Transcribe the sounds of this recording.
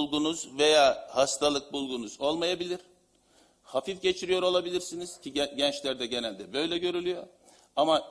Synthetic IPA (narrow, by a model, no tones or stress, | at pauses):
lˠɡunuzve̞jaːhast̪ʰalˠɯk̚bulˠɡunuzo̞lˠmajabilʲiɾ̥ | hafifɟe̞t͡ʃʰiɾijoɾo̞lˠabilʲiɾsiniz̥cʰiɟɛnt͡ʃlʲæɾd̪ɛɟe̞nælʲd̪ɛbø̞jlʲɛɟø̞ɾylʲyjo̞ | ama